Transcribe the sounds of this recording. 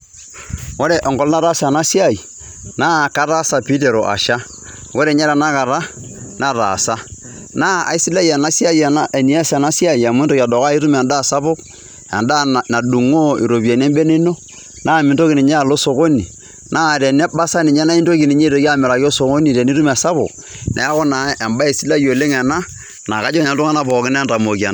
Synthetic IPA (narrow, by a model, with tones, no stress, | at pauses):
wo˦ɾe˨ʔɔ˨ŋɡɔ˨˦lna˦ɾa˦sa˨na˦si˦a˦˨i˨ | naː˦˨ka˦ɾa˦sa˨pi˦te˨ɾo˨ʔa̰˨ʃa˦ | wo˦ɾe˨ɲa˦ɾa˨na˦ka˨ɾa˦ | na˦ɾa̰˨sa˦ | na˦a̰˨i˦si˦la˦ja˨na˦si˦a˦˨ja˨˦e˨ni˨˦a˦sa˨na˦si˦a˦˨i˨a˨m˦nto˦ka˨dɔ˨ka˦i˦ɾu˦m˨a˨nda˦˨sa˦pʊ˦k | a̰˨nda˦˨na˨du˨ŋo˦ḭ˨ɾo˨pja˨n˦ɛ˦mbe˦ne˦no˦ | naː˦˨mɪ˨nto˦ki˨ni˨ɲe˦a˨lo˦so˨ko˦nḭ˨ | naː˦ɾɛ˨nɛ˦ba˦sa˦ni˨ɲɛ˦na˦i˦nto˦ki˨ni˨ɲe˦to˨ka˦mɪ˨ɾa˨ko˦so˨ko˦ni˨ɾe˨ni˦tu˦ma˨sa˦pʊ̰˨k | nʔḛ˨˦a˦kʊ˦na˨e˨mba˦e˨si˦la˦jo˨le˦ŋɛ˨na˦ | na˨ka˦d͡ʒo˦˨ɲa˨˦tʊ˦ŋa˦na˦˨pɔ˨kɪ˦n˦nta˨mo˨ka̰˨n˦